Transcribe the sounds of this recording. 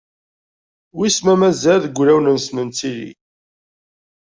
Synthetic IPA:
wismæmæzæðəɡʷlæwnənsmənt͡silḭ

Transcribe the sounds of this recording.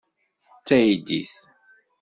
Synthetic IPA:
t͡sːæjid̪iθ

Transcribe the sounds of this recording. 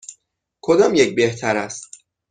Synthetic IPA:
kʰod̪ɒːmjec̚be̞ht̪ʰæɾæst̪

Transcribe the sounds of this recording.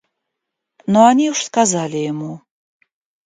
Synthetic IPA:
nɔanʲiwʂskazalʲijamu

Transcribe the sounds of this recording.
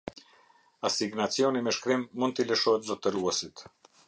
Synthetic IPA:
asiɡnat͡sjɔnimɛʃkɾimːund̪t̪ələʃɔɦɛt̪zɔt̪əɾuɛsit̪

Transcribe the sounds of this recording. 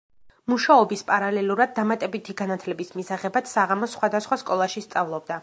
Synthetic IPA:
muʃaɔbispʼaɾalɛlˠuɾad̪̚ːamat̪ʼɛbit̪ʰiɡanat̪ʰlɛbismisaʁɛbat̪saʁamɔsχwad̪asχwaskʼɔlˠaʃist̪sʼavlˠɔbd̪a

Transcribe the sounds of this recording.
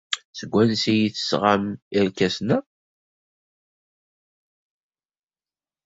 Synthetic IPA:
səɡʷːænsijiθə̥sʁamiɾkæsnæ

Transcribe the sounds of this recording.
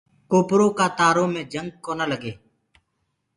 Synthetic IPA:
koːpɾoːkaːt̪aːɾõːmẽːd͡ʒəŋɡ̚koːnaləɡeː

